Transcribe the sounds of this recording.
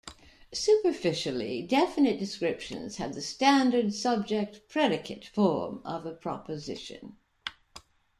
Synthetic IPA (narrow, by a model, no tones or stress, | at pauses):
sʉpə˞fɪʃl̩ˠḭdɛfɨnɨt̚d̥ɨskɹɪpʃɨ̰̃nz̥ə̰v̚ðɨstæ̃ndə˞dsʌb̚d͡ʒɛk̚t̚pʰɹ̥ɛɾɨkʰɨtfɔ̰ɹmʌ̰vəpʰɹ̥ɑ̰pəzɪ̰ʃɨ̰̃n